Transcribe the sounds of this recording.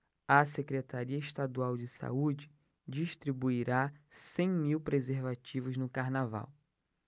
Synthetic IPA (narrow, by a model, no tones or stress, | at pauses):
ɐsekɾet̪aɾiɐiʃt̪ad̪uawd͡ʒɪsa̰ud͡ʒɪ | d͡ʒiʃt̪ɾibuiɾasẽj̃miwpɾezeɾvat͡ʃivʊznʊkaɾnava̰w